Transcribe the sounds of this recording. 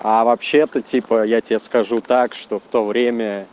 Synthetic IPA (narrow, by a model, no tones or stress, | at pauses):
avɐpɕːet̪ətʲipəjatʲɪeskɐʐut̪akʂt̪o̞ft̪o̞vɾʲemʲə